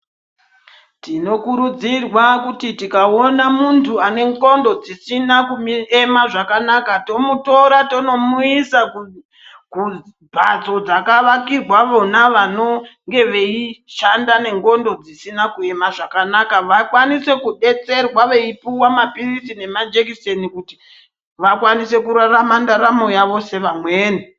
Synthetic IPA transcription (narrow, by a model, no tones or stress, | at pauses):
tino̞kuɾud͡zirwakutitikao̞namuntʰuane̞ŋɡo̞ndo̞d͡zisinakumiemaʐakanakato̞muto̞ɾato̞no̞muisau | ku | bʱa̰t͡so̞d͡zakaʋakirwaʋo̞naʋano̞ŋɡe̞ʋe̞iʃandane̞ŋɡo̞ndo̞d͡zisinakue̞maʐakanakaʋakwanise̞kuɗe̞t͡se̞rwaʋe̞ipuwamapirisine̞mad͡ʒekisenikuti̥ | ʋakwanise̞kuɾaramandaɾamo̞jaʋo̞se̞ʋamweːne